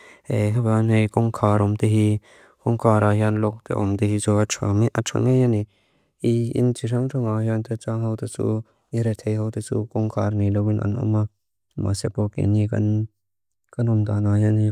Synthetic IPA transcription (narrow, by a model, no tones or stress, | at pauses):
eɦabanejkɔŋkʰaːɾɔmt̪eɦi | kɔŋkʰaːɾahjanlɔk̚t̪ɛ̰ʔɔmt̪ehit͡sɔat͡ʃʰa̰miʔat͡ʃʰa̰ŋejani | iḭnt͡ʃʰiɾʰaŋtʰɔŋahjant̪ɛt͡saŋɦawt̪et͡sṵ | iɾɛt̪ʰejhawt̪et͡sṵkɔŋkʰaːrnilɔwinʔa̰nɔ̰ma | ma̰sɛpɔkḛnika̰n | kanɔmd̪anaːjani